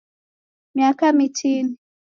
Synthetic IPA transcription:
miakamitini

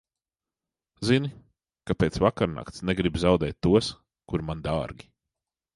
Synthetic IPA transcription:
zini | kapeːt̪svakaɾna̰kt̪snɛɡɾibzawd̪ɛːt̪ʲːuɔs | kuɾmand̪aːɾɡʲi

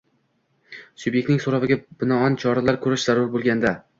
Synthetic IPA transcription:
sʊbjekt̪nɪŋsoɾavɪɡʲab̥ɪnɒɒnt͡ʃʰɒɾalaɾkʰɵɾɪʃz̥aɾʊɾbolˠɡʲand̪a

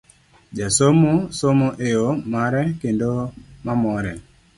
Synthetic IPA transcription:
d͡ʒasomosomoʔeomaɾɛkendomamɔɾɛ

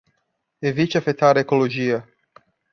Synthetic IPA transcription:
evit͡ʃɪafet̪aɾɐekoloʒiɐ

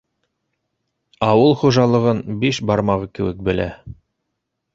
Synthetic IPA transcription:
ɑwɤlˠχuʒɑlˠɤ̆ʁɤnbiʃbɑɾmɑʁɤkɘ̆wɘ̰k̚bɘ̆læ̰

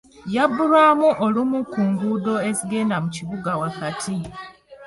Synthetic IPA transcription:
jabːuɾwaːmuʔolumukuːŋɡudo̞e̞ziɡe̞ndamuciβuɡawakatʰi

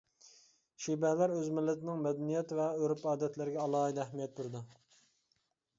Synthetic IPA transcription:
ʃibɛlæɾøzmɪlːɪt̪ɪnɪŋmɛd̪ɛnijɛt̪vɛøɾupɑːd̪ɛt̪ʰlɪɾɪɡʲɛɑlˠɑːid̪æhmijɛt̪̚buɾd̪u

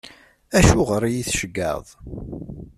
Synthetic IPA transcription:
æʃuʁəɾijiθʃəɡːə̰ðˤ

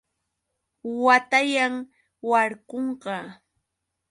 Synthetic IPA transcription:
wat̪ajaŋ | waɾkoɴɢɑ

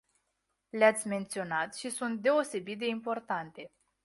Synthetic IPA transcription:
leat̪sʲme̞nt̪sio̞nat̪ʃisunt̪̚d̪e̞o̞se̞bit̪̚d̪e̞impo̞rt̪ant̪e̞

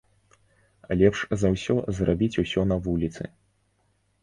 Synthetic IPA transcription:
alʲɛpʂzɐwsʲɔzrabʲit͡sʲusʲɔnɐvulʲit̪sɨ̰

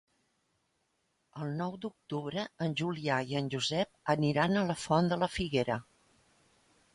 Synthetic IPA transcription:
əlˠnɔwd̪uk̚t̪uβɾəənʲʒuliaiənʲʒuzɛp̚əniɾanələfɔnd̪ələfiɣeɾə

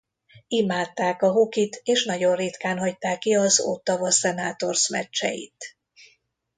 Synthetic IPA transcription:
imaːt̪ːaːkɒɦokit̪eːʃnɒɟo̞nrit̪kaːnɦɒct̪aːkːiɒzo̰ːt̪ːɒvɒsɛnaːt̪o̞rsmɛ̰t͡ʃːɛ̰jḭt̪

